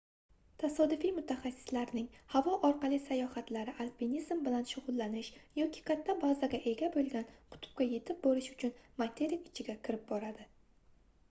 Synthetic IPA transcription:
t̪ʰasɒd̪ɪfijmʊt̪ʰaχasːɪ̥slaɾnɪŋhavɒʔɒɾqɑlˠisajɒhat̪laɾɪʔalpinizmbɪlanʃʊʁʊlˠːanɪʃjɒkʲʰɪ̥kʰʲat̪ʰːabazaɡʲaʔe̞ɡʲabolˠɡʲanqʰʊ̥t̪ʰʊ̥p̚kʲaje̞t̪ʰɪp̚bolɪʃʊ̥t͡ʃʰʊnmat̪ʰe̞ɾikɪt͡ʃʰɪɡʲakʲʰɪɾɪp̚bɒɾad̪ɪ

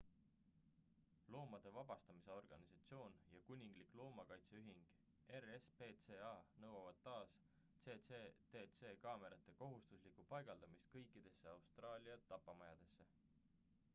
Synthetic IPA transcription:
lo̞ːmɑd̪̥e̞vɑb̥ɑst̪ɑmise̞o̞rɡ̥ɑnisɑt̪sio̞ːnjɑkunʲːiŋɡ̥liklo̞ːmɑkɑjt̪seyɦiŋɡ̥ | erespeːt̪seɑnɤwɑvɑd̪̥̚t̪ːɑːs | t̪se̞et̪e̞ːt̪se̞ːkɑːme̞ɾɑt̪ːˑe̞ko̞ɦust̪uslikupɑjɡ̥ɑld̪̥ɑmist̪̚kɤjkːˑid̪̥e̞sːe̞ɑwst̪rɑːlʲiɑt̪ːɑpːˑɑmɑjɑd̪̥e̞sːe

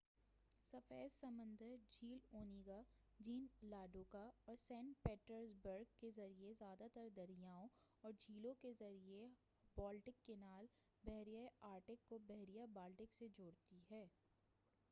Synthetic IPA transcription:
sɐfɛːsɐ̃mə̃nd̪əɾd͡ʒiːloːniɡa | d͡ʒiːnlaːɖoːkaɔːɾsɛ̃ːɳʈ̚peːʈəɾzbəɾɡkezɐɾiezjaːd̪at̪əɾd̪ɐɾijaːõɔːɾd͡ʒʱiːlõkezɐɾie | bɔːlʈɪkːenaːl | bɛɦɾijaaːɾʈɪkːobɛɦɾijabaːlʈɪksed͡ʒoːɽt̪iɦɛː

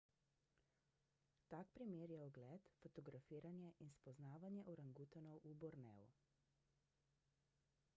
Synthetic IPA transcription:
t̪ak̚pɾimeːɾjɛɔɡlɛːt̪fɔt̪ɔɡɾafiːɾanjɛʔinspɔznaːʋanjɛʔɔɾaŋɡut̪ɔnɔwʔubɔɾnɛ̰ːṵ

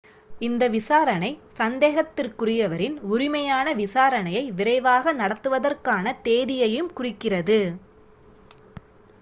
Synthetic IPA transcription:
ɪnd̪ɐʋɪsaːɾɐnɐɪsɐnd̪eːɣɐt̪ːɪrkʊrɪjɐʋɐɾɪnʊɾɪmɐjaːnɐʋɪsaːɾɐnɐjɐɪʋɪrɐɪʋaːɣɐnɐɽɐt̪ːɯʋɐðɐrkaːnɐt̪eːðɪjɐjɯmkʊrɪkːɪrɐðɯ

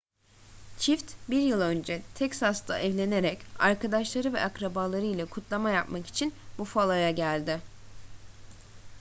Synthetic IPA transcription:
t͡ʃʰift̪biɾjɯlˠø̞nd͡ʒɛt̪ʰɛcsast̪ʰa̰ʔɛvlʲe̞ne̞ɾɛcaɾkʰad̪aʃlˠaɾɯvɛ̰ʔakɾabaːlˠaɾɯjlʲɛkʰut̪ʰlˠamajapmaki̥t͡ʃʰinbufalˠajaɟælʲd̪ɪ

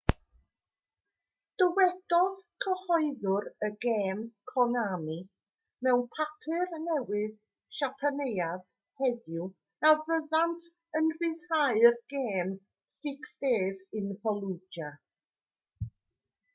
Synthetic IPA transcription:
d̥əwɛd̥ɔðkʰəhɔɨðʊɾəɡeːmkʰɔnami | mɛwnpʰapʰɨrnɛwɪð | ʃapʰanejað | hɛðju | navəðantʰ | ənrɪðhaɨrɡ̥eːm | sɪksd̥eːzɪnfɔlˠud͡ʒa

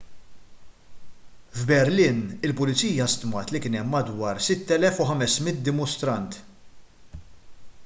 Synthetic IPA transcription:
vbɛɾlɪːnɪlpʊlɪt͡siːjɐst̪mɐːt̪lɪkɪːnɛmːɐd̪wɐːɾsɪt̪ːɛlɛfʊħɐmɛsmɪt̪̚d̪ɪmʊst̪ɾɐnt̪

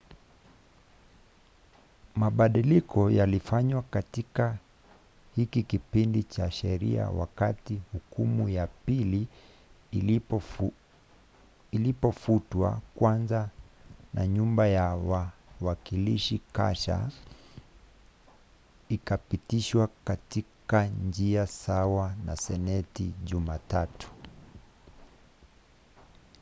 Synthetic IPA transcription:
maɓaɗilikɔjalifaɲwakatika | hikikipindit͡ʃaʃɛɾḭa̰wa̰katihukumujapili | ilipɔfutwa̰kwanzanaɲumbajawawakiliʃika̰ʃa̰ | ikapitiʃwakatikand͡ʒiasawanasɛnɛtiʄumatatu̥

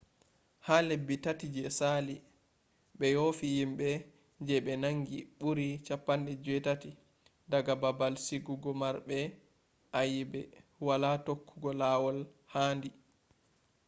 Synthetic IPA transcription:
haːlebːitatid͡ʒɛsali | ɓɛjoːfijimɓɛ | d͡ʒɛɓɛnaŋɡiɓuɾit͡ʃapːanɗɛd͡ʒɛtati | daɡababalsiɡuɡɔmaɾbɛ | ʔajibɛwalatokːuɡɔlawɔl | haːndi

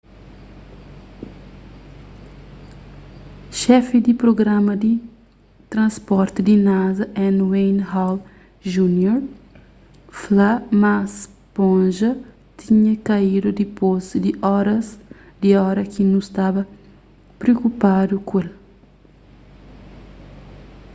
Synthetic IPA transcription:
ʃɛfid̪ipɾoɡɾãmɐd̪i | t̪ɾɐ̃spɔɾt̪id̪inazɐʔɛ̃nwẽjnhaw | ʒunjoɾ | flamas | põnʒɐ | t̪iɲɐkɐid̪ud̪ipozd̪iʔɔɾɐz | d̪iɔɾɐkinũst̪abɐ | pɾeokupad̪ukuel

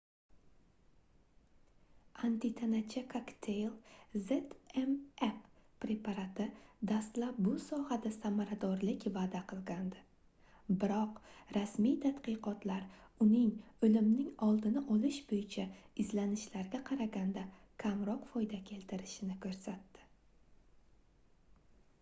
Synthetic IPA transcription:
ant̪ɪt̪ʰanat͡ʃʰakʰakt̪ʰejlˠzet̪emep | ɾe̞pʰaɾat̪ʰɪd̪ast̪lap̚bʊsɒhad̪asamaɾad̪ɒɾlɪkʲvaːd̪aqʰɨlˠɡʲand̪ɪ | bɪɾɒqɾasmijt̪ʰad̪qɨqɒt̪laɾʊnɪŋɵlɪmnɪŋɒlˠd̪ɪnɪʔɒlɪʃbojɪt͡ʃʰaɪzlanɪʃlaɾɡʲaqʰɑɾaɡʲand̪a | kʲʰamɾɒqfɒjd̪akʲʰe̞lt̪ʰɪɾɪʃɪnɪkʰɵɾsat̪ːɪ̥

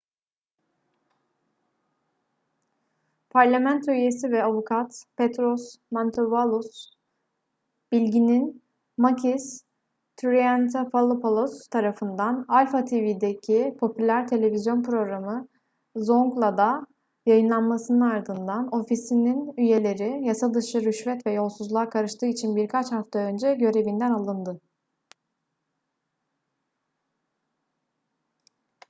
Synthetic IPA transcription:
pʰaɾlʲamænt̪ʰyje̞sivɛavukʰat̪pet̪ɾosmant̪ʰovalˠus | b̥ilʲɟinin | macʰis | t̪ʰyɾiænt̪ʰafalˠɯpʰalˠost̪ʰaɾafɯnd̪analʲfat̪ʰevid̪ecʰipʰo̞pʰylʲæɾt̪ʰe̞lʲe̞vizjo̞npɾo̞ɡɾamɯ | zo̞ŋɡlˠad̪a | jajɯnlˠanmasɯnɯnaɾd̪ɯnd̪ano̞fisininyje̞lʲe̞ɾijasad̪ɯʃɯɾyʃvɛt̪vɛjo̞lˠsuzlˠakʰaɾɯʃt̪ʰɯːit͡ʃʰinbiɾkʰat͡ʃhaft̪ʰaø̞nd͡ʒɛɟø̞ɾe̞vind̪ænalˠɯnd̪ɯ

